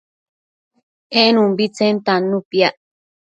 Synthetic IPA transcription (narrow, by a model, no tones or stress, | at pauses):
ʔenũmbit͡sent̪anũpjaʔ